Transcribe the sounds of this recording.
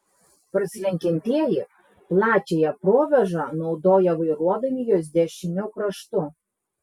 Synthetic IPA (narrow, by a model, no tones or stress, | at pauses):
pɾsʲlʲɛŋʲkʲɪnʲt̪ʲeːjɪ | plˠɑːt͡ʃʲeːjɛpɾoːʋʲɛʒɐˑnɒʊd̪oːjɛʋɐɪɾuɔd̪ɐmʲɪjoːs̬d̪ʲɛʃʲɪmʲʊkɾɐʃt̪ʊ